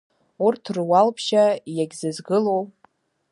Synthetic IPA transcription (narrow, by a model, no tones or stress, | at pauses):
urtʰrwalpʰʃajaɡʲzɨzɡɨlow